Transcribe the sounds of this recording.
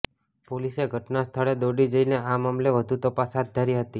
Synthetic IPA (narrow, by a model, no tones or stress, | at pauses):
poliseɡʱəʈnast̪ʰəɭed̪oɖid͡ʒəineamamleʋəd̪ʱut̪əpasɦad̪̚d̪ʱəɾiɦət̪i